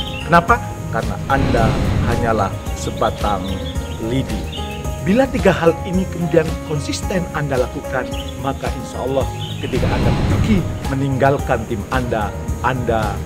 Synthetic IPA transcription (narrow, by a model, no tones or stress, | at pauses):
kənapa | karəna̰ʔandahaɲalahsəbat̪aŋ | lidi | bilat̪iɡaɦalinikəmudiankɔnsist̪ɛnandalakukan | makaʔinʃa̰ɔlːɑhkət̪ikaʔandaduɡiməniŋɡalkant̪imanda | ʔanda